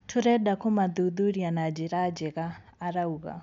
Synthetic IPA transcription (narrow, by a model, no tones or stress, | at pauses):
tʰʊɾɛdakumaðuðuɾianad͡ʒiɾad͡ʒɛɣaːɾauɣa̰